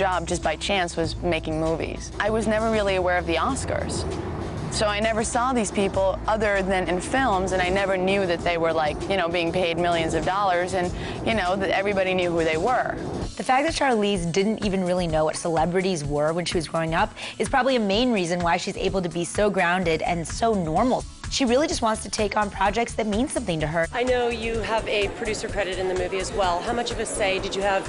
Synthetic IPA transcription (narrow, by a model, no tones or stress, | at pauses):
d͡ʒɑb̚d͡ʒʌsb̥aɪt͡ʃʰæ̃nswʌzmeɪkɪ̃ŋmuvḭz̥ʔaɪwʌznɛvə˞ɹɪlˠiɨwɛɹʌvðiɔskə̰˞z̥ | soʊaɪnɛvə˞sɔðiz̥pipl̩ˠʌðə˞ðɨ̃nɨ̃nfɪlˠmzɨ̃ñaɪnɛvə˞njʉðɨt̪̚ðeɪwə˞laɪkjɨñoʊbiɪ̃ŋpʰeɪd̚mɪlˠjɨ̃nzʌvdɔlˠə˞zɨ̃n | jɨnoʊðɨɾɛvɹibɑɾinjʉɦuðeɪwə˞ | ðɨfæk̚ðɨt̚t͡ʃʰɑɹlizdɪdⁿn̩tivɨ̃n̩ɹɪlˠinoʊwʌtsəlɛbɹɨɾizwə˞wɨ̃nʃiwʌzɡɹoʊɪ̃ŋʌpɨz̥pʰɹ̥ɑbəbliɨmẽɪ̃nɹizɨ̃nwaɪʃizḛɪbl̩ˠtɨbisoʊɡɹãʊ̃ndɪɾɨ̰̃nsoʊnɔɹml̩ˠ | ʃiɹɪlˠid͡ʒʌst̚wɑ̃ntstʰɨtʰeɪkn̩pʰɹ̥ɑd͡ʒɛk̚tsðɨt̚mĩnsʌ̃mθɪ̃ŋtɨə˞aɪnoʊjɨəvɨpʰɹ̥ɨdʉsə˞kʰɹ̥ɛɾɨɾɨ̃nðɨmʉviɨzwɛlˠɦaʊ̃mʌt͡ʃʌvʌseɪdɨd͡ʒɨːv̥